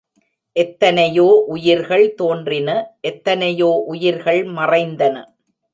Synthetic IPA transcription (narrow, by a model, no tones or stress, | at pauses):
ʔɛt̪ːɐnɐjoːʔʊjɪɾɣɐɭt̪oːndrɪnɐʔɛt̪ːɐnɐjoːʔʊjɪɾɣɐɭmɐrɐɪnd̪ɐnɐ̰